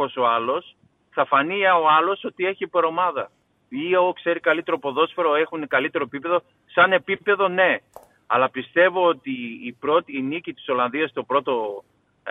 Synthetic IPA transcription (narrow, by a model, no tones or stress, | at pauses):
oso̞ɐlo̞s | θɐfɐniɐo̞ɐlo̞so̞t̪ie̞çipeɾo̞mɐðɐ | iokse̞ɾikɐlit̪e̞ɾopo̞ðo̞sfeɾo̞e̞xunekɐlit̪e̞ɾoepipe̞ðo̞ | sɐne̞pipe̞ðo̞ne̞ | ɐlɐpist̪e̞vo̞ot̪iːpɾo̞t̪inicit̪i̥so̞lɐnðiɐst̪o̞pɾo̞t̪o̞